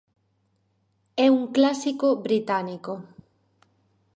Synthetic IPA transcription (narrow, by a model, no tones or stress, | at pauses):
ɛuŋklasikobɾit̪aniko